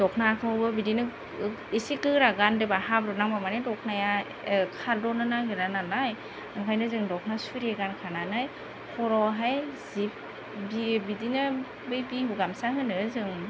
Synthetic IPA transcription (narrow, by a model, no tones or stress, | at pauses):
dɔknakʰɯbɯbidinɯ | isikɯɾaɡandɯbahabɾɔnaŋbamanedɔk̚ʰnaja | kʰaldɔnɯnaɡɯɾananaj | ɯŋkʰajnɯzɯŋdɔk̚ʰnasuɾeɡankʰananaj | kʰɔɾɔɦajzip̚ | bibidinɯ | bɯjbihuɡamsaɦɯnɯzɯŋ